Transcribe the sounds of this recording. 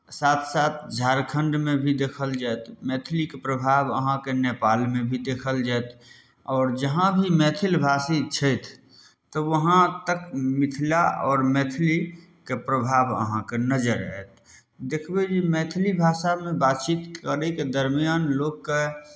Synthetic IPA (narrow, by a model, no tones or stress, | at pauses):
saːt̪ʰsaːt̪ʰd͡ʒʱaːɾkʰə̃ɳɖmẽbʱid̪eːkʰəld͡ʒaɛt̪ʰmɛːt̪ʰlikepɾəbʱaːbə̰ɦãkeneːpaːlmẽbʱid̪eːkʰəld͡ʒaɛt̪ʰ | ɔːɾd͡ʒəɦãbʱimɛːt̪ʰɪlbʱaːsit͡ʃʰəɪt̪ʰː | ɔʋəɦãt̪əkmɪt̪ʰlaɔːɾmɛːt̪ʰɪli | kepɾəbʱaːbə̰ɦãkenəd͡ʒəɾɦɛt̪̚ | d̪ekʰbed͡ʒimɛːt̪ʰlibʱaːʃamẽbaːt̪t͡ʃit̪əɾeked̪əɾmijaːnloːɡke